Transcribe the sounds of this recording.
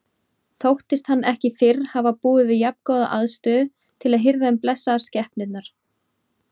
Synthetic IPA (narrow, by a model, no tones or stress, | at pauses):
θowht̪ɪst̪hanːʔɛhcɪfɪɾhavapuːðɪvɪðjapkɔwða̰ʔaðst̪ʏː | t̪ʰɪlaðɦɪɾðaʏmplɛsːaɾ̥scɛhpnɪt̪naɾ̥